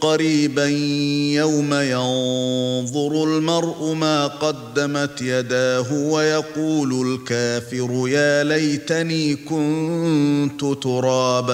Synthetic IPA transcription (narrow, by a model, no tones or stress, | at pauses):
qɑɾiːbanjawmajɑnðˤʊɾʊlmɑɾˤʔʊmaːqɑd̪ːamat̪jad̪aːɦʊwajɑquːlʊlkaːfɪɾʊjaːlajt̪aniːkʊn | t̪ʊt̪ʊɾˤɑːb